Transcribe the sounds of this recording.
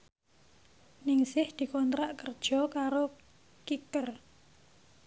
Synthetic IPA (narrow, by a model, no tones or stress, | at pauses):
nɪŋsɪhd̪̥i̤kɔnt̪ɾaʔkərd̥ʒ̥ɔ̤kaɾo | kikər